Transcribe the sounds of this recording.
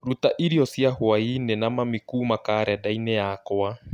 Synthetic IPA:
ɾut̪aʔiɾiɔsiahwainɛnamamikuːmakaːɾɛadainɛjakɔa

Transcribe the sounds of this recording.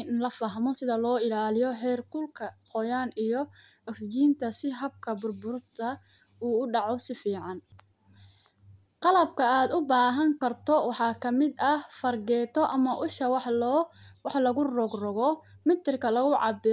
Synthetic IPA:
ɪnlɐfɐɦmɔsɪðɐlɔːɪlaːlɪjɔɦɛːrkʊlkʰɐqɔjaːnijɔ | ɔkst͡ʃiːnt̪ʰɐsɪɦɐb̚kʰɐbʊrbʊrt̪ɐ | uːʊɖɑʕɔsɪfiːʕɑn | qɑlɐb̚kʰɐaːd̪ʊbaːɦɐŋkʰɐrt̪ʰɔwɑħɑːkʰɐmɪd̪ɐfɐrɡɛːt̪ʰɔʔɐmɐʔʊʃɐwɑħlwɑħlɐɣʊrɔɡrɔɣɔmɪt̪ʰɪrkʰɐlɐɣʊʕɑ̰bɪ

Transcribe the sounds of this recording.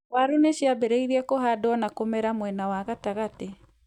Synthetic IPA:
waɾuneɕjabeɾeiɾiɛkoɦadɔɔnakomɛɾamwɛnawaɣataɣate

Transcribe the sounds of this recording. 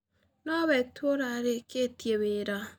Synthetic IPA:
nɔβɛtʰoɾaɾeketjeβeɾa

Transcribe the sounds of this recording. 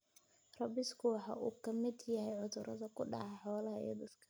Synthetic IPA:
rɐbɪskʰʊwɑħɑ̰ʔuːkʰɐmɪd̪jɐɦɛjʕʊðʊɾʔɐ̰ðɐkʰʊɖɑ̰ʕɑħɔːlɐɦɐɛ̰ːd̪ɐd̪kʰɐ̥

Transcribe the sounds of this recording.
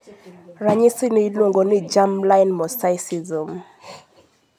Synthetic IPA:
ɾaɲɪsɪniilwoŋɡonid͡ʒamlaɪnmɔsajsizɔm

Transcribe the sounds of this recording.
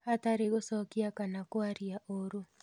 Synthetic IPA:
hataɾeɣosɔkiakanakwaɾiaʔoɾo

